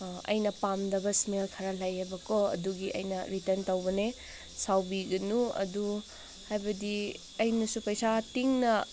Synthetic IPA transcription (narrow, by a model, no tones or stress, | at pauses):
ɐ̰jnɐpamdɐbɐsmelkʰɐɾɐlajebɐkoɐ̰duɡiʔɐ̰jnɐɾitɐɾntɐwbɐne | sawbiɡɐnuɐ̰du | hajbɐdi | ɐjnɐsupɐjsatiŋnɐ